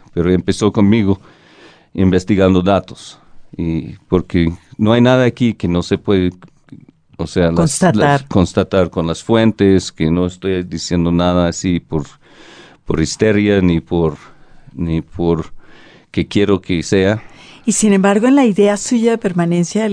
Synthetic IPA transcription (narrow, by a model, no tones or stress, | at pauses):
peɾoempeso̞ko̞nmiɣo | imbest̪iɣand̪oðat̪o̥s | ipoɾkenoajnaðaːkikeno̞se̞pweðe | osealonst̪alaɾkonst̪at̪aɾko̞nlasfwe̞nt̪eskeno̞est̪o̞jd̪isje̞nd̪onaðaːsipoɾ | poɾist̪eɾjanipoɾnipʰoɾ | kekje̞ɾokeseaisinembaɾɣoenlaiðeasuʝaðepe̞ɾmanẽ̞nsja